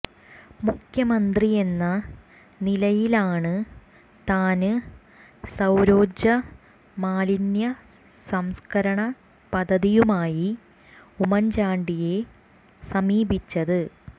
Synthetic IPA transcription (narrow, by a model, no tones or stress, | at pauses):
mukʰjɐmɐnd̪rie̞nːɐ | nilɐjilaːɳɨ | t̪aːnɨ | sɐwɾo̞ːd͡ʑɐ | maːlinjɐ | sɐmskɐɾɐɳɐ | pɐd̪ʱɐðijumaːji | umɐnd͡ʑaːɳɖije̞ | sɐmiːbit͡ɕːɐðɨ